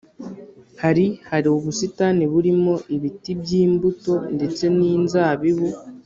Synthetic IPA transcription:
haɾihaɾioβusitaniβuɾimo̞ʔiβitibjɟiːmbuto̞nde̞t͡se̞niːnzaːβiβu

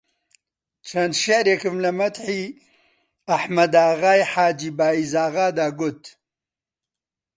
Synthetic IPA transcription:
t͡ʃʰɐnd̪ʃeʕɾeːkɨmlɐmɐt̪ħiː | ɐħmɐd̪aːɣaːjħaːd͡ʒiːbaːizaːɣaːd̪aːɡʊt̪

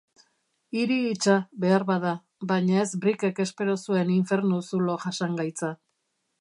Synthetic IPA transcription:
iɾiːt͡ʃaβe̞aɾβaða | βajɲae̞zbɾike̞ke̞spe̞ɾo̞sue̞niɱfe̞ɾnusulo̞ʝasaŋɡajt͡sa

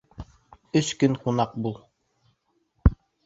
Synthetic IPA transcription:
ɵskɵŋqunɑq̚bulˠ

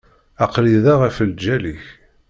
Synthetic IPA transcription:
ɑqliðæʁæfəld͡ʒæliç

